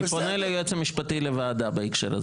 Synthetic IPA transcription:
ponelejet͡semiʃpatilevaːd̪abaikʃḛɾa̰z

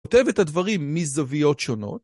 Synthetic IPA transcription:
ote̞vetadvɐʁimːizavijo̞tʃo̞no̞̰t

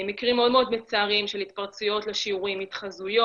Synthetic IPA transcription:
mikʁimːeo̞d̪meo̞d̪met͡saːʁimʃelit̪paʁt͡sujo̞t̪leʃiuʁimit̪χazujo

